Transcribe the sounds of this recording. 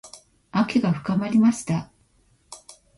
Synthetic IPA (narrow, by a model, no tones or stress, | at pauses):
akʲeɡaɸɯ̟̥kamaɾʲimaɕi̥t̪a